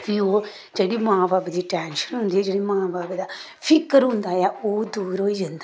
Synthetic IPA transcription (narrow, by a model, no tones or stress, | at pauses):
ʋio | d͡ʒəɽimaːbaːbəd̪iʈɛːnʃənɦũnd̪ied͡ʒəɽimaːbaːbəd̪a | fʰikːəɾɦũnd̪aːjaoːd̪uːɾoːid͡ʒɐnd̪a